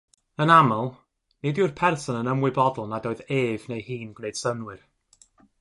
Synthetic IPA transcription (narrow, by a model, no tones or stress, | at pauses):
ənaməlˠ | nɪdʊrpʰɛrsɔnənəmwɨbɔdl̩ˠnadoːɨðeːvnejhiːnɡ̥nejd̥sənwɨr